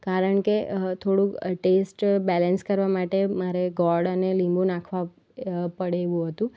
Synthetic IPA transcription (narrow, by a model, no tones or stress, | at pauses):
kaɾəɳket̪ʰoɽũʈesʈbɛlənskəɾʋamaʈemaɾeɡɔɾɽənelĩmbunakʰʋa | pəɽeʋũɦət̪ũ